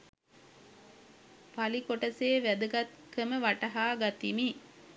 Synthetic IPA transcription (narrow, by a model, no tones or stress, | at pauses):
palikoʈɐseːʋæd̪əɡɐt̪kəməʋaʈɐɦaːɡat̪imi